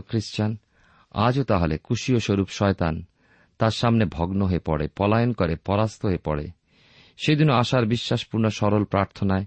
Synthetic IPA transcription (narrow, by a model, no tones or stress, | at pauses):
kɾiʃt͡ɕan | a̰d͡ʑot̪aɦolekuʃioʃoɾupʃɔet̪an | t̪aɾʃamnebʱɔɡnoɦoepɔ̰ɽepɔlajonkoɾepɔɾast̪ʰoɦoepɔɽḛ | ʃed̪inoaʃaɾbiʃːaʃpuɾnoʃɔɾolpɾaɾt̪ʰonae